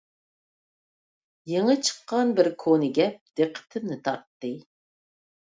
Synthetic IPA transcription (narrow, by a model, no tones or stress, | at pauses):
jeŋət͡ʃʰə̥qːɑnbɪɾkʰonɨɡʲɛp̚d̪̥eqʰːə̥t̪ʰɪmnɪt̪ʰɑ̰ɾt̪ːɨ